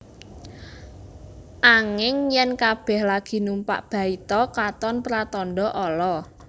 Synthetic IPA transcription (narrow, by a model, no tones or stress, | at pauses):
ʔaŋɪŋjɛnkab̥ɛ̤hlaɡ̥i̤numpa̰ʔb̥a̤it̪ɔkat̪ɔnpɾat̪ɔnɖɔʔɔlɔ